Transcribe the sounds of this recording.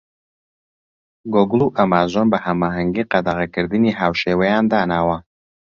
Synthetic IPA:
ɡoɡlˠuʔɐmaːzonbɐhɐmaːɦɐŋɡiːqɐd̪ɐʁɐkɨɾd̪ɨniːɦaːwʃeːwɐjaːnd̪aːnaːwɐ

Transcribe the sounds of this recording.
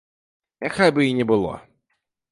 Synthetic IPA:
jaxajbɨinʲɛbɨlˠɔ̰

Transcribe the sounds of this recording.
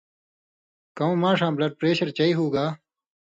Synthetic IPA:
kɐõːmãːʂãːblɐɖ̚pɾeːɕɐɾt͡ɕɐiɦuːɡaː

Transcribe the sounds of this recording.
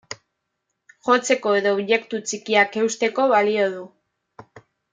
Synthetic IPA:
xo̞t͡se̞ko̞e̞ðo̞ːβʝe̞kt̪ut͡sikiake̞wst̪e̞ko̞βalio̞ðu

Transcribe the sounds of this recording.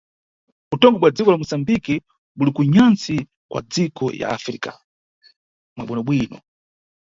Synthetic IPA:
utɔŋɡɔɓwad͡zikɔlamusambiki | ɓulikuɲant͡si | kwa̰d͡zikɔja̰afɾḭka | mwaɓinɔɓwiːnɔ̰

